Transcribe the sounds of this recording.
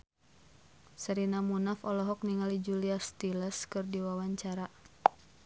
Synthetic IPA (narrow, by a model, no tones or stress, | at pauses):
səɾinamunafɔlɔɦɔk̚niŋalid͡ʒuliast̪iləskɨrdiwawaɲt͡ʃaɾa